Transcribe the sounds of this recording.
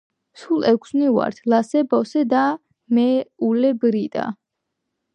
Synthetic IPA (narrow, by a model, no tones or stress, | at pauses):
sulˠɛkʷʰsniva̰ɾt̪ʰlasɛbɔsɛd̪a | mɛulɛbɾit̪ʼa̰